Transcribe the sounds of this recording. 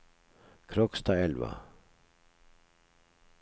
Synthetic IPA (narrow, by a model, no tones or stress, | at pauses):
kʰɾɔkst̪ʰaɛlva̰